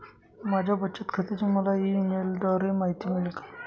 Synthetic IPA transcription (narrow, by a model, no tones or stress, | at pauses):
mad͡ʑʱabətːt͡ɕət̪kʰət̪it͡ɕiməlainelɖɔɾemaɦit̪imelekḁ